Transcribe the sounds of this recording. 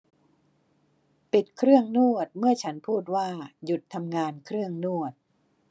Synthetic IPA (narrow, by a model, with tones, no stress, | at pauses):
pi˨˩t̪̚kʰɾɯ˥˩əŋnu˥˩ət̪̚mɯ˥˩ɐt͡ɕʰa˦˥npʰuː˥˩t̪̬̚waː˥˩ju˨˩t̪ʰːa˧mŋaː˧nkʰɾɯ˥˩əŋnu˥˩ət̪̚